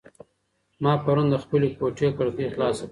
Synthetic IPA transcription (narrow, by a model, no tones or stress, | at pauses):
mɑːpaɾund̪əxpəlekoʈekaɾt̪exlɑːsak